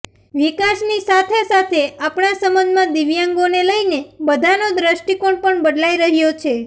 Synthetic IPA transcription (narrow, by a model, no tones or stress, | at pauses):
ʋikaʃnisat̪ʰesat̪ʰeapɳasəmənd̪ʱmãd̪iʋjãŋɡoneləinebəd̪ʱanod̪ɾəʃʈikoɳpəɳbəd̪laiɾəɦjot͡ʃʰe